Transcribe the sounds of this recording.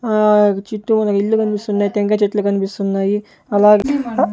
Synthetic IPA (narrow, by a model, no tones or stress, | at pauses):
t͡ʃiʈ̪ːumɐnɐkilːukɐnipist̪unːaːjit̪eŋkɐt͡ʃeʈːlukɐnipist̪unːaːji | ɐlaːɡ